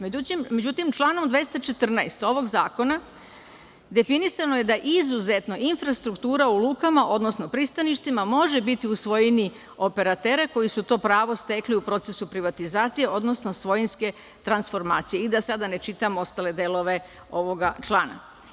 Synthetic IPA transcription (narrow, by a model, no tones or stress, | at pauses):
meut̪immed͡ʑut̪imt͡ʃlˠaːno̞md̪ʋest̪at͡ʃe̞t̪r̩naest̪o̞ʋo̞ɡzaːko̞na | d̪e̞finisano̞je̞d̪aʔizuzet̪no̞ʔinfɾast̪ɾukt̪uːɾauluːkamaʔo̞d̪no̞sno̞pɾist̪aniʃt̪imamo̞ʒebit̪iusʋo̞jini | o̞pe̞ɾat̪e̞ːɾeko̞jisut̪o̞ːpɾaːʋo̞st̪e̞kliupɾo̞t̪se̞supɾiʋat̪izaːt̪sije̞ʔo̞d̪no̞sno̞sʋo̞jinske̞ | t̪ɾansfo̞ɾmaːt̪sije̞id̪asad̪ane̞t͡ʃit̪amoo̞st̪aːle̞d̪elˠo̞ʋe̞ | o̞ʋo̞ɡat͡ʃlˠaːna̰